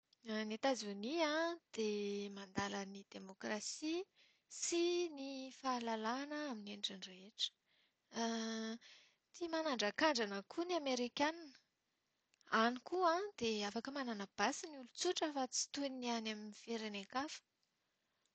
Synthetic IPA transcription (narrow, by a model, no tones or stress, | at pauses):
net̪azuniãd̪̥emand̪alənid̪emokrasi | sinifaːlalanəamineɳɖ͡ʐaɳreeʈ͡ʂə̥ | t̪ʰimanaɳɖ͡ʐakaɳɖ͡ʐanəkʰuniameɾikʲaninə̥ | anikuãd̪eafakəmananab̥asiniulut͡suʈ͡ʂafat͡si̥t̪unianaminifeɾenekafə̥